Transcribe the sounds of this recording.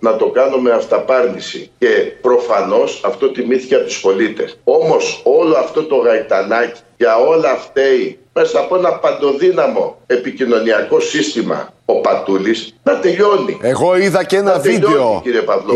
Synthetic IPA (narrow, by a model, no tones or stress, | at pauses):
nɐt̪o̞kɐnume̞ɐft̪ɐpɐɾnisḭce̞pɾo̞fɐno̞sɐft̪o̞t̪imiθi̥ceɐp̚t̪u̥spo̞lit̪e̞̰so̞mo̞so̞lo̞ɐft̪o̞t̪o̞ɣɐit̪ɐnɐci̥ʝɐo̞lɐft̪eime̞sɐːpoenɐpɐnd̪o̞ðinɐmo̞e̞picino̞niɐko̞sist̪imɐ̰o̞pɐt̪ulisnɐt̪e̞ʎo̞nḭeɣoiðɐcenɐtveʎoenoiciɾiepɐvlo